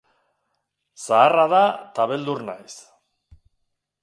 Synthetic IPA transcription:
saːraðat̪aβe̞ld̪urnajs

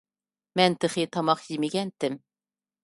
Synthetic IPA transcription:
mænt̪ɘ̆χit̪ɑmɑqjimiɡænt̪ɘm

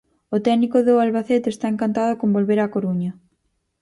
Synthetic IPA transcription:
ot̪ɛnikoðʊalβaθet̪est̪aeŋkant̪að̞okõmbolβeɾakoɾuɲɐ

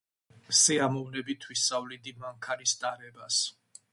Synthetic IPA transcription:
siamɔvnɛbit̪ʰwisavlid̪imaŋkʰanist̪ʼaɾɛbas

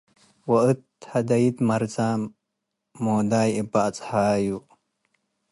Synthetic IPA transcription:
wɐɨt̪hɐd̪ɐjid̪mɐɾzaːmː | oːd̪aːjibat͡sʼhaːju

